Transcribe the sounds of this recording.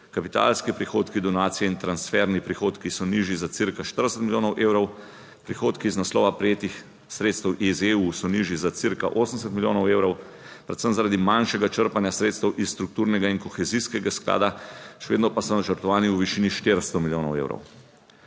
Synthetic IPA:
kapit̪a̰lskipɾixoːt̪kid̪ɔnaːt̪sijɛint̪ɾansfɛɾnipɾixoːt̪kisɔniːʒjizat̪siɾkaʃt̪əɾd̪əsɛt̪miljoːnɔwʔeːwɾɔw | pɾixoːt̪kiːznaslɔ̰ːʋapɾɛjeːt̪ix | sɾeːt̪st̪ɛwʔizeusɔniʒjizat̪siɾkaʔoːsəms̬ɛt̪milʲjo̰ːnɔweːwɾɔw | pɾɛt̪səmzaɾaːd̪imanʃɛɡat͡ʃəɾpanjasɾeːt̪st̪ɛwʔisst̪ɾuk̚t̪uːɾnɛɡainkɔxɛziskɛɡaskla̰ːd̪aʃɛʋḛd̪nɔpasɔnat͡ʃəɾt̪ɔʋaːniuʋiʃiːniʃt̪eɾst̪ɔmiljoːnɔwḛːwɾɔ̰w

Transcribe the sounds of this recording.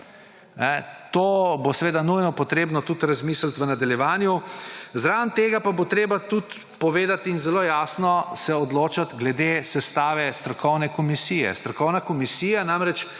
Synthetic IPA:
nɛt̪oːbosɛʋeːd̪anujnɔpɔt̪ɾeːbnɔt̪ut̪ɾazmiːslt̪ʋənad̪aljɛʋaːnjuzɾant̪eːɡapabot̪ɾeːbat̪ut̪ | pɔʋeːd̪at̪inzɛloːjaːsnɔsɛɔd̪loːt͡ʃat̪ɡlɛd̪esɛst̪aːʋɛst̪ɾɔkɔwnɛkɔmisiːjɛ̰st̪ɾɔkɔwnakɔmisiːjanamɾɛt͡ʃ

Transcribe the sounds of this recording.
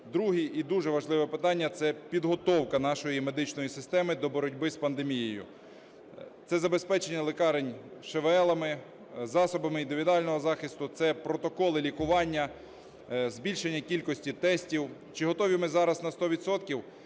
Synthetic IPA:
d̪ɾuɦiʔid̪uʒɛʋɐʒlˠɪʋɛpɪt̪ɑnʲːɐt̪sɛpʲid̪ɦɔt̪ɔwkɐn̪ɑʃɔjime̞d̪ɪt͡ʃnɔjisɪst̪ɛmɪd̪ɔbɔɾɔdʲbɪspɐnd̪emʲijejʊ̰ | t̪sɛzɐbespɛt͡ʃenʲːɐlˠekɑɾenʲʃeʋɛlˠɐmɪ | zɑsɔbɐmɪind̪ɪʋʲid̪ʊɑlʲnɔɦɔzɑxɪst̪ʊt̪sɛpɾɔt̪ɔkɔlˠɪlʲikʊʋɑnʲːɐ | zʲbʲilʲʃenʲːɐkʲilʲkɔsʲtʲit̪ɛsʲtʲiwt͡ʃɪɦɔt̪ɔʋʲimɪzɑɾɐznɐst̪ɔʋʲid̪sɔt̪kʲiw

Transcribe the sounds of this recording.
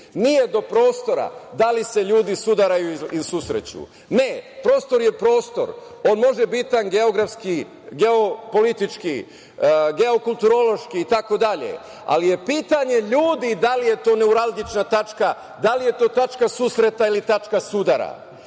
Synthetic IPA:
nije̞d̪o̞pɾo̞ːst̪o̞ɾa̰d̪alise̞ʎuːd̪isud̪aɾajuisusɾḛt͡ɕṵ | ne̞pɾo̞ːst̪o̞ɾje̞pɾo̞ːst̪o̞̰ɾ | o̞ːnmo̞ʒebit̪anɡe̞o̞ɡɾafski | ɡe̞o̞po̞lit̪it͡ʃki | ɡe̞o̞kulˠt̪uɾo̞lˠo̞ʃkiːt̪ako̞d̪aʎḛ | a̰lije̞piːt̪aɲe̞ʎuːd̪id̪alije̞t̪o̞ːne̞uɾazd̪it͡ʃnat̪at͡ʃka | d̪alije̞t̪o̞ːt̪at͡ʃkasusɾe̞t̪ailit̪at͡ʃkasud̪aɾa̰

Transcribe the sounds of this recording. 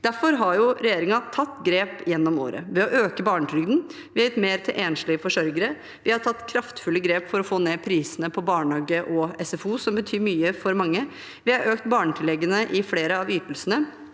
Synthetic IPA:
d̪̥æɾfɔɾɦɑɾjʊɾɛjeːɾɪŋɑt̪ʰɑt̪ːɡɾeːpjɛnːɔmo̰ːɾə̰ʋɛɔʔøːkəbɑːɳət̪ʰɾʏɡd̪n | ʋɪhɑjʊt̪meːɾt̪ʰɪlʔeːnʂlɪəfɔʂœɾɡəɾə | ʋɪhɑɾt̪ʰɑt̪ːkʰɾɑft̪fʉlːəɡɾeːpfɔɾɔfoːneːpʰɾiːsənəpʰɔbɑːɳɑːɡəʔɔɛsɛfuːsɔmbət̪ʰyːɾmyːəfɔɾmɑŋːə | ʋɪhɑɾøːkt̪bɑːɳət̪ʰɪlɛɡːənəʔɪfleːɾəɑʋyːt̪əlsənə

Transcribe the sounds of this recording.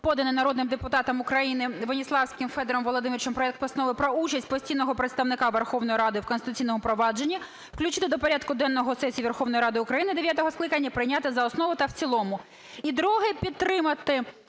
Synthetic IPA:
pɔd̪ɐnɪnɐɾɔd̪nɪmd̪epʊt̪ɑt̪ɐmʊkɾɐjinɪʋɔnʲislˠɑwsʲkɪmfɛd̪ɛɾɔmʋɔlˠɔd̪ɪmiɾʲt͡ʃɔmpɾɔɛk̚t̪pɔsɐnɔʋɪpɾɔut͡ʃɐsʲtʲpɔsʲtʲijnɔɦɔpɾet̪st̪ɐwnɪkɑʋerxɔwnɔjiɾɑd̪ɪwkɔnst̪ɪt̪ʊt͡sʲijnɔmʊpɾɔʋɑd͡ʒe̞nʲːɐ | wklʲʉt͡ʃɪt̪ɪd̪ɔpɔɾʲat̪kʊd̪ɛnːɔɦɔsɛsʲiiʋerxɔwnɔjiɾɑd̪ɪʊkɾɐjinɪd̪e̞ʋʲjat̪ɔɦɔsklˠɪkɐnʲːɐpɾɪjnʲat̪ɪzɐɔsnɔʋʊt̪ɐwt͡sʲilˠɔmʊ | id̪ɾɔɦɪpʲit̪ːɾɪmɐt̪ɪ

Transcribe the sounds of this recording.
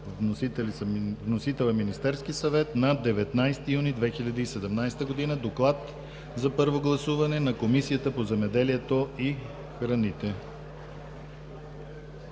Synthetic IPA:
vnt̪ɛlisvnosit̪ɛlˠəminist̪ɛɾskisɐvɛt̪nɐd̪ɛvɛt̪najst̪ijunid̪vɛxilʲɐd̪əisɛd̪ɛmnajst̪əɡod̪inəd̪oklˠat̪ | zɐpɤɾvoɡlˠɐsuvɐnɛnɐkomisijət̪əpozɛmɛd̪ɛliɛt̪oi | xɾɐnit̪ɛ

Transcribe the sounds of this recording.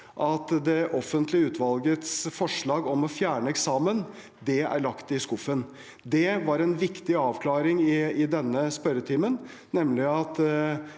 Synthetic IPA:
ʔɑt̪d̪ɛʔɔfənt̪lɪəʉːt̪ʰʋɑlɡət̪sfɔʂɭɑːɡɔmɔfjæːɳəɛksɑːmən | d̪ɛæ̰ɭɑkt̪ɪskʊfən | d̪ɛʋɑɾɛnʋɪkt̪ɪɑːʋkʰlɑːɾɪŋɪɪd̪ɛnːəspœɾət̪ʰiːmən | nɛmlɪɑt̪

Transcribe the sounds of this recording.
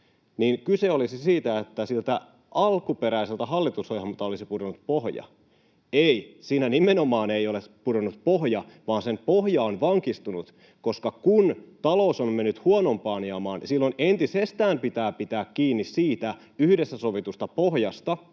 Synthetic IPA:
niːnkyseolisisiːt̪æet̪ːæsilt̪æ | ʔɑlkupeɾæiselt̪æɦɑlːit̪ushojhɑmut̪ːɑolisipudonut̪̚pohjɑ̰ | eisiːnænimenomɑːneijolepudonːut̪̚poɦjɑʋɑːnsempoɦjɑːnʋɑŋkist̪unut̪ | koskɑkunt̪ɑlosommenːyt̪huonompɑːniɑmɑːnsilːonent̪isest̪æːmpit̪æːpit̪æːkkiːnːissiːt̪æ | yhdesːæso̞ʋit̪ust̪ɑpohjɑst̪ɑ

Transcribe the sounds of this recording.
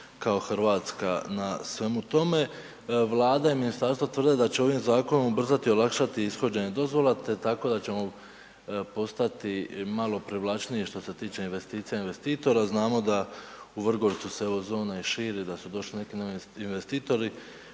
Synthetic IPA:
kao̞xɾʋaːt̪skanasʋe̞mut̪o̞me̞ | ʋlˠaːd̪aiminist̪aɾst̪ʋat̪ʋrd̪e̞d̪at͡ɕe̞oʋimzaːko̞nomubr̩zat̪io̞lˠakʃat̪iisxo̞d͡ʑe̞ɲe̞d̪o̞zʋo̞lat̪et̪ako̞d̪at͡ɕe̞mo̞ | po̞st̪at̪imalˠo̞pɾiʋlˠat͡ʃniiʃt̪o̞se̞t̪iːt͡ʃe̞inʋe̞st̪iːt̪sijainʋe̞st̪iːt̪o̞ɾaznaːmo̞d̪auʋr̩ɡo̞ɾt̪suseeʋɾo̞zo̞ːnaiʃiːɾid̪asud̪o̞ʃline̞kinoinʋest̪iːt̪o̞ɾi

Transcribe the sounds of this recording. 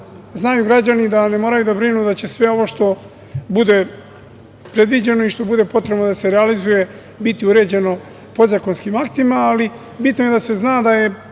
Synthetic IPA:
znajuɡɾad͡ʑanid̪anemoːɾajud̪abɾinud̪at͡ɕesʋe̞o̞ʋo̞ʃt̪o̞ | bud̪e̞ | pɾe̞d̪ʋid͡ʑe̞no̞iʃt̪o̞bud̪e̞po̞t̪ɾebnod̪ase̞ɾealizuje̞ | bit̪iuɾe̞ːd͡ʑe̞no̞ | po̞zako̞nskimakt̪imaːli | bit̪nojed̪ase̞znaːd̪aje̞

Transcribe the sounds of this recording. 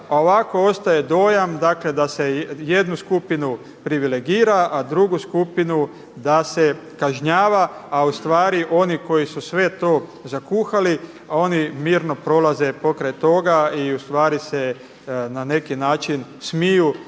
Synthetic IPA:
ao̞ʋako̞ost̪ajed̪o̞ːjamd̪akle̞d̪ase̞je̞d̪nuskupinu | pɾiʋile̞ɡiːɾaʔad̪ɾuɡuskupinu | d̪ase̞kaʒɲaːʋaːust̪ʋaːɾiʔo̞niko̞jisusʋe̞t̪o̞ːzakuːxali | o̞nimiːɾno̞pɾo̞laze̞po̞kɾajt̪o̞ɡaiust̪ʋaːɾise | nane̞kinaːt͡ʃin | smiju

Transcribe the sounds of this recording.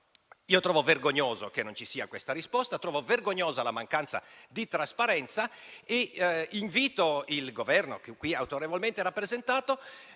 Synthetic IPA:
iːot̪ɾɔːvoverɡoɲːoːzo̰kenːont͡ʃisiːa̰kwest̪aɾispɔst̪at̪ɾɔːvoverɡoɲːoːzalamaŋkant̪sa̰d̪it̪ɾaspaɾɛnt̪saeiɱviːt̪oilɡovɛrno̰kkːwiawt̪oɾevolment̪eɾapːɾezent̪aːt̪o

